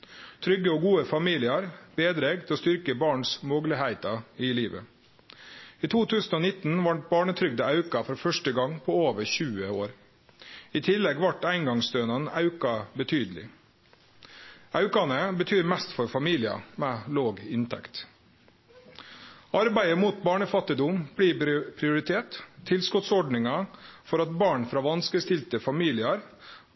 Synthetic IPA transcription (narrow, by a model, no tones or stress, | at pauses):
t̪ʰɾʏɡəoːɡuːəfɑmiːlɪɑɾb̥eːd̪ɾeːɡt̪ʰɛɔːst̪ʏɾkəbɑːɳsmɔɡləhæɪt̪ɑɪliːʋə̰ | iːt̪ʰuːt̪ʰʉːsn̩oːnɪt̪n̩ʋɑɳʈ̚bɑːɳət̪ʰɾʏɡ̚d̪əɑʉkɑfɔɾfœʂʈəɡɑŋpʰoːoːʋəɾçʉːəoːɾ | iːt̪ʰɪlːɛɡʋɑʈæɪŋɡɑŋst̪øːnɑnɑʉkɑbət̪ʰyːd̪əl̩ɪ̰ | ʔɑʉkɑnəbət̪ʰyːɾmɛst̪fɔɾfɑmiːlɪɑ̰mɛːloːɡɪnt̪ʰɛ̰kt̪ | ɑɾbæɪəmuːt̪̚bɑːɳəfɑt̪ːɪd̪ʊmb̥liːpʰɾɪʊɾɪt̪ʰeːt̪ʰːɪlskʊt̪sɔɖnɪŋɑfɔɾɑt̪̚bɑːɳfɾɑːʋɑnskəst̪ɪlt̪əfɑmiːlɪɑɾ